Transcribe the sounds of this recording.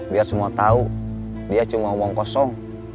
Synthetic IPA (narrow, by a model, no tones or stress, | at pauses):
biarsəmuat̪au | diat͡ʃumaumɔŋkɔsɔŋ